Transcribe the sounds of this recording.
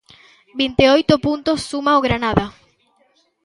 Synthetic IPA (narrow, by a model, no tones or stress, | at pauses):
bint̪eojt̪opunt̪osːumaoɣɾanaða